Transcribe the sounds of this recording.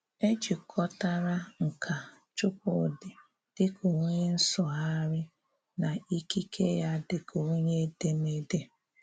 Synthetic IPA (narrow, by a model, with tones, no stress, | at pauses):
e˦t͡ʃi˨kʰɔ˦ta˦ɾa˦ŋ̩˨kʰa˨ | t͡ʃʊ˦k̚ʊ˦˨dɪ˨ | d̥ɪ˦kʰo˨ŋ˦ɲe˦n̩˦sɔ˨ɦa˦ɾɪ˦ | na˨i˦ki˦kʰe˦ja˦dɪ˨kʰo˨˦ɲe˦de˦me˦de˦